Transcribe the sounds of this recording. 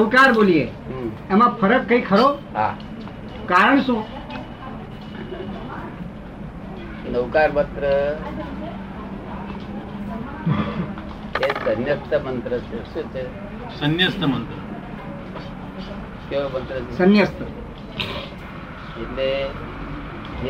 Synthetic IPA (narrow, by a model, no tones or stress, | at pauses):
əwkaɾbolijẽ | emapʰəɾəkːəikʰəɾoɦã̰ | kaɾənsũ | nəwkaɾbət̪ɾə | esənjəst̪ʰəmənt̪ɾət͡ʃʰeʃũːt͡ʃʰe | sənjəst̪ʰəmənt̪ɾə | komənt̪ɾəesənjəst̪ʰə | iʈ̪le